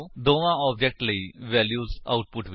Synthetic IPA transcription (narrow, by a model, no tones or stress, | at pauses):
d̪oʋãɔb̚d͡ʑek̚ʈləiʋæljuːza̰uʈ̚puʈʋ